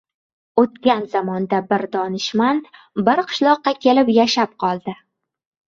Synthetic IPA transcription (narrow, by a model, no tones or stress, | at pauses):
ot̪kʲanzamɒnd̪abɪɾd̪ɒnɪʃman | bɪɾqʰɨ̥ʃlˠɒqːɑkʲʰe̞lɪpjaʃap̚qʰɒlˠd̪ɪ